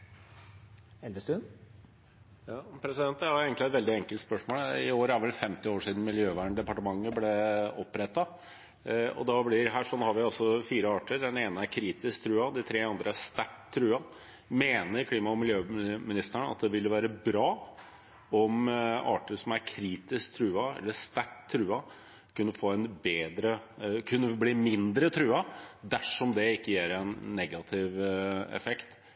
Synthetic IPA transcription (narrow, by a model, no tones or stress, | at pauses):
ɛlʋəst̪ʉn | jɑːpʰɾɛsɪd̪ɛnt̪d̪ɛhɑɾeːɡŋktlɪæɛt̪ʋɛld̪ɪɛŋkəlt̪spœʂmoːlɪoːɾəæɾʋɛlfɛmt̪ɪoːʂiːd̪n̩mɪljøːʋæːɳɖ̪ɛpɑʈəmɑŋːəblɛɔpːɾɛt̪ːɑ | ɔ̰d̪ɑblɪɾɦæːʂɔnːhɑɾʋɪɑsɔfiːɾəɑːʈəɾɖ̪ɛneːnəæɾkʰɾiːt̪ɪsk̚t̪ʰɾʉːɑd̪ɪt̪ʰɾeːɑnd̪ɾʔəæst̪æʈt̪ʰːɾʉːhɑn | meːnəɾkʰliːmɑɔmɪljøːmɪnɪst̪əɳɑ̰t̪̚d̪ɛʋɪld̪ɛʋæːɾəbɾɑː | ɔmɑ̰ːʈəʂɔmæɾkʰɾiːt̪ɪskt̪ʰɾʉːɑɛ̰lːəʂt̪æʈt̪ʰːɾʉːɑ | kʰʉnːəfoːɛnbeːd̪ɾəkʰʉnːəbliːmɪnd̪ɾət̪ʰɾʉːɑd̪æʂɔmd̪ɛɪkːəjæːɾɛnːɛɡɑt̪ʰɪʋɛ̰fɛkt̪